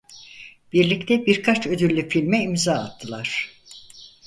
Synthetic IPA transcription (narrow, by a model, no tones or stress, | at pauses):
b̥iɾlʲict̪ʰɛbiɾkʰat͡ʃʰød̪ylːʲyfilʲmɛimzaːa̰t̪ʰːɯlˠaɾ̝̥